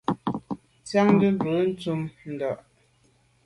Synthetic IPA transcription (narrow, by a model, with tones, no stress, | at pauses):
t͡sja˦ŋ˦də˦m˦bə˨˦n̩˦t͡su˦mn̩˨dɔ˨ʔ